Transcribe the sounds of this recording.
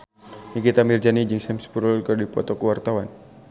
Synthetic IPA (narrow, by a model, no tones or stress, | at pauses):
nikit̪amird͡ʒanid͡ʒɨŋsɛmspuɾulkɨrdipɔ̰t̪ɔkuwart̪awan